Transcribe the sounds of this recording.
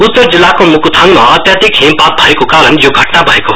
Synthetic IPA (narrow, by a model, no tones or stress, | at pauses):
ut̪ːəɾd͡zilːakomukut̪ʰanmaːt̪jad̪ikɦẽmpat̪̚bʱʌekokaːɾənjoɡʱəʈnabʱʌeko